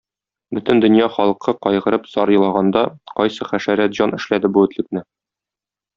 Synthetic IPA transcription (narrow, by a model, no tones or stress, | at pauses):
bɵt̪ɘ̆nd̪ɵ̆njɑχɒlˠɤqʰːɤqɒjʁɤ̆ɾɤpsɒɾjɤ̆lˠɑʁɑnd̪ɑqɒjsɤχæʃæɾæt̪ʑɑnɘ̆ʃlæd̪ɘbuɘ̆t̪lɘ̆k̚nɘ